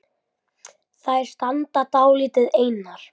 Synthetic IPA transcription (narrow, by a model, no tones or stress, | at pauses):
θaðɛɾ̥st̪ant̪at̪aːwliːt̪ɪðeːjnaɾ̥